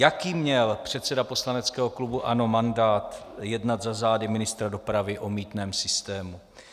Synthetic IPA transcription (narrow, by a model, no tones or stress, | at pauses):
jakiːmɲɛlpr̝̥ɛt̪sɛdapo̞slanɛt͡skɛːɦoklubuʔano̞mandaːt̪jɛdnat̪zazaːdɪmɪnɪst̪ɾado̞pɾavɪʔo̞miːt̪nɛːmsɪst̪ɛːmu